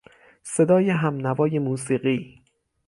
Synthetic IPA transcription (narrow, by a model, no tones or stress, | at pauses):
se̞d̪ɒːjeɦæmnævɒːje̞muːsiːɢiː